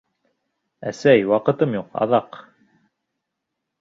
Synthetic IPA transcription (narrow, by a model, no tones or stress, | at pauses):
æsæjwɑqɤ̆t̪ɤmjuqɑ̰ðɑq